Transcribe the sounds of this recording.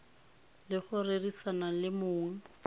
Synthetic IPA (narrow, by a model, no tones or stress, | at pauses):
lɪχʊrerisanalɪmʊːŋ̩